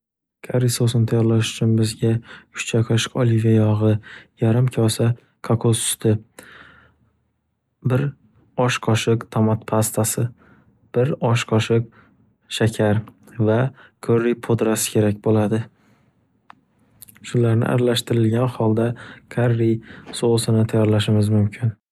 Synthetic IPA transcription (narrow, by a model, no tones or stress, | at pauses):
kʰaɾːisosnt̪ʰajɒɾlaʃʊ̥t͡ʃʰʊnbɪzɡʲakʰʊ̥ʃt͡ʃʰakʰɒʃɪ̥qɒlivʲajɒʁɨjaɾɪmkʲʰɒsa | kʰaqʰosʊ̥st̪ʰɪ | bɪɾ | ɒʃqʰɒʃɪqt̪ʰɒmɒt̪pʰast̪ʰasɪ | b̥ɪɾɒʃqʰɒʃɪq̚ | ʃakʲʰaɾ | vakʰɵɾːɪjpʰod̪ɾasɪ̥kʲʰe̞ɾak̚ʲbolad̪ɪ | ʃʊlaɾnɪ̰ʔa̰ɾalaʃt̪ɪɾɪlɡʲanhɒlˠd̪akʲʰaɾːijsoʁɨsɪnɪt̪ʰajɒɾlaʃ̬ɪmɪzmʊmkʲʰɪn